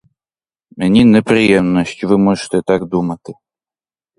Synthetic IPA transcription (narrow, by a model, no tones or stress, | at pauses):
mʲɛnʲinɛpɾɨjɛmnɔɕʲtʲuvɨmɔʐɨ̥t̪ɛt̪aɡd̪umat̪ɨ